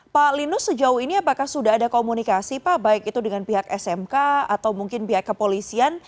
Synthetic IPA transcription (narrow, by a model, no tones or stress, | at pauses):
palinʊsːəd͡ʒaʊhiniapakahsudaɦadakomunikasipabaɪkit̪udəŋanpiɦakɛsɛmkaa̰t̪awmuŋkɪnpiɦakːəpolisian